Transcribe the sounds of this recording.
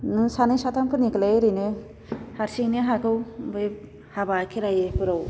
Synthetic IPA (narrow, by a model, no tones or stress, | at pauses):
nɯsanɯjsat̪ʰamkʰɯniklejɾɯne | haɾsiŋneɦakɯwbɯj | habakʰeɾajepʰɯɾaw